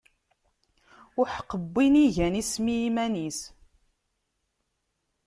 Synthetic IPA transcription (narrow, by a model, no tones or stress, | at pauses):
ʊħqːəbːiniʝænismimænis